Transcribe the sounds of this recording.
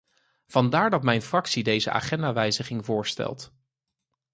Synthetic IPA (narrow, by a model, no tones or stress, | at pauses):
v̥ɑndaːɹdɑtmɛjnfrɑksidejzəa̰ːχɛndaːʋɛjzəχɪŋvʊːɹstɛ̰lˠt